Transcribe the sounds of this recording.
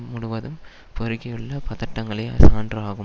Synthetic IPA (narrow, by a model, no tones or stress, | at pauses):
mʊɽʊʋɐðɯm | pɔɾɯɣɐjɯɭːɐpɐðɐʈːɐŋɡɐɭɐja̰ːsaːndraːɣɯm